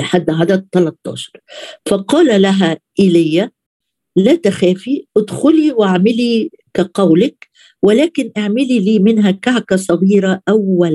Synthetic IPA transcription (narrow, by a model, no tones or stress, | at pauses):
lħad̪ːʕad̪at̪ːɑlɑt̪ˤːɑ̰ːʃɑ̥ɾˤfɑqɑːlalaɦæʔɪlajːa | læːt̪axæːfiʔɪd̪xʊliwaʕmɪli | kaqɑwlɪk | wɪlæːkɪnʔaʕmɪliliːmɪnɦækaʕkasˤɑɣiːɾaʔawːal